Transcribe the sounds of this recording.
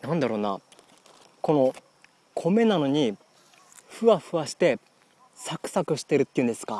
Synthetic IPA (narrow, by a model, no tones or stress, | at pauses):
nãnd̪aɾo̞ːna̰ | ko̞no̞ | kʰo̞me̞nano̞ɲ̟i | ɸɯ̟βaɸɯ̟βaɕi̥t̪e̞ | sakɯ̟̥sakɯ̟ɕi̥t̪e̞ɾɯ̟t̪ːeiɯ̟̃nd̪e̞sɨ̥ka